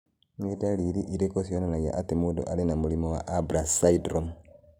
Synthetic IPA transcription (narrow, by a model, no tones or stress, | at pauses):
ŋedaliɾiʔiɾekosionanaja̰ʔatimudo̰ʔalinamulimowa̰ʔabɾasaidɾom